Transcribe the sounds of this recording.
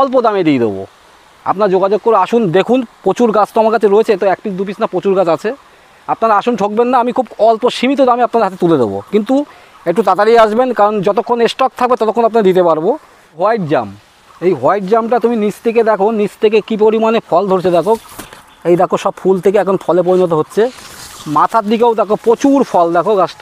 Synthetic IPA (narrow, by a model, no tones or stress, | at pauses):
ɔlp̬od̪amed̪ejd̪ḛbo̰ | a̰pnaɾd͡ʑoɡad͡ʑoɡ̚koɾeaʃund̪ekʰunpɾot͡ɕuɾɡat͡ɕʰt̪maɾkat͡ɕʰeɾoet͡ɕʰeet̪oɛk̚pisd̪up̬it͡ɕʰnapɾot͡ɕuɾɡat͡ɕat͡ɕʰe | apnaɾaaʃunʈʰok̚benːaamikʰubɔlpoʃimit̪̬od̪ameapnad̪ɾɦat̪et̪uled̪ḛbo̰kint̪u | ek̚ʈut̪at̪aɾiaʃbenkaɾond͡ʑɔt̪okʰːoneʃʈɔk̚t̪ʰak̚bet̪ɔt̪okʰːonapnad̪it̪epaɾbo | ɦɔjʈd͡ʑa̰m | ejɦɔjʈ̚d͡ʑamʈat̪uminist̪ʰek̬ed̪ɛkʰonisʰt̪ʰek̬ekip̬oɾimanefʰɔld̪ʱoɾt͡ɕʰed̪ɛkʰok | ejd̪ɛkʰoʃɔbfʰult̪ʰekeɛkʰonfʰɔlep̬oɾinot̪̬oɦotːɕʰemat̪ʰad̪ik̬ewd̪ɛkʰopɾot͡ɕuɾpʰɔld̪ɛkʰokas